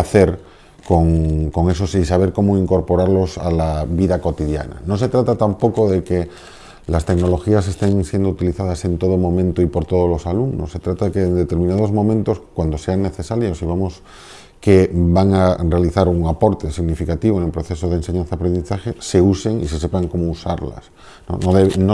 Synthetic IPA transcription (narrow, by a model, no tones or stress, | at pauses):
aθe̞ɾ | koŋko̞ŋe̞so̞sisaβ̞e̞ɾko̞moiŋko̞ɾpo̞ɾaɾlo̞sa̰laβiðako̞t̪iðja̰na̰nos̬e̞t̪ɾat̪at̪ampo̞koðeke | last̪e̞kno̞lo̞xiase̞st̪e̞ŋsjend̪out̪iliθað̞ase̞nt̪o̞ð̞omõ̞mẽnt̪oipo̞ɾt̪o̞ð̞ozlo̞salumnosːe̞t̪ɾat̪aðekeːnd̪et̪e̞ɾmĩnað̞o̞zmõmẽnt̪o̞skwand̪ose̞anːe̞θesaɾjosiβ̞amos | kebaŋare̞aliθaɾuŋapo̞ɾt̪esiɣnifikat̪iβ̞oenelpɾoθe̞soð̞enseɲanθaapɾe̞nd̪iθaxese̞use̞ŋḭse̞sepaŋko̞mousaɾla̰s | no̰noðeno